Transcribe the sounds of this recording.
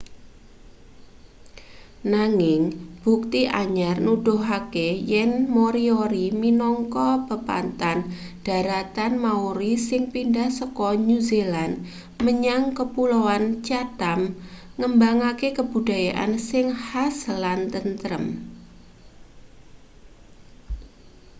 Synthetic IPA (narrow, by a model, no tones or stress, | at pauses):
naŋɪŋb̥ṳk̚t̪iʔaɲarnud̥oɦakejɛnmoɾioɾiminɔŋkɔbəpa̰nt̪an | d̥a̤ɾat̪anmauɾisɪŋpindahsɔkɔnuziland | məɲaŋkəpulowant͡ʃat̪am | ŋəmbaŋakekəb̥ṳd̥a̤jaʔa̰nsɪŋhaslant̪ənt̪əɾə̰m